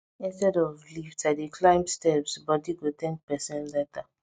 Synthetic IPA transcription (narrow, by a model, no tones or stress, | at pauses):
ĩnstɛdɔvliftadikʰlãɪ̃mstɛpsbɔdiɡot̪ɛ̃ŋk̚pɛsɔ̃nlɛta